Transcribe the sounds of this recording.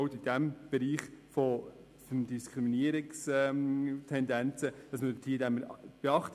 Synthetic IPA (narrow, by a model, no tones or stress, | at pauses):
ʊtid̥æmb̥ɛɾiːχfɔ | fmdiskʰɾiminiəɾɪksɛtʰɛnd̪ɛnt͡səd̥ɑsmətʰiːdæməɾb̥eɑχt